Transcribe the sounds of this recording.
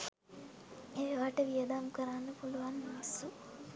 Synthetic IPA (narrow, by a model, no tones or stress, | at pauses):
eʋaːʈɐʋijɐd̪aːmkɐɾaːnːupuluʋaːnmaːsu